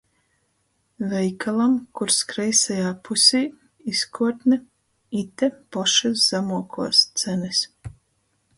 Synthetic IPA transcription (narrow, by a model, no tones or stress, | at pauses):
vɛjkʰalˠamkuɾskɾɛjsajaːpusʲiː | iskʰuɔt̪nɛ | it̪ɛpɔʃɛszamuɔkʰuɔst̪sɛnɛs